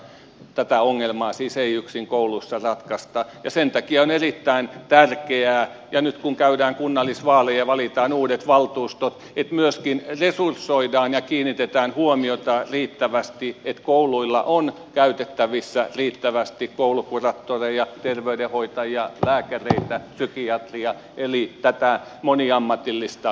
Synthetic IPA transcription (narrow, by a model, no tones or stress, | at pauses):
t̪æt̪æoŋːelmɑːsiːseiyksiŋkoulusːɑrɑt̪kɑst̪ɑjɑsent̪ɑkiɑonerit̪ːæint̪ærkeæːjɑnyt̪kuŋkæydæːŋkunːɑlːisʋɑːlejɑʋɑlit̪ɑːnuːdet̪ʋɑlt̪uːst̪ot̪ | et̪myøskinresursːoidɑːnjɑkiːnit̪et̪æːnhuomiot̪ɑriːt̪ːæʋæst̪iet̪kouluilːɑ̰ʔon | kæyt̪et̪ːæʋisːæriːt̪ːæʋæst̪ikkoulukurɑt̪ːoreijɑt̪erʋeydehoit̪ɑjjɑlæːkæreit̪æsykiɑt̪riɑ | ʔelit̪æt̪æmoniɑmːɑt̪ilːist̪ɑ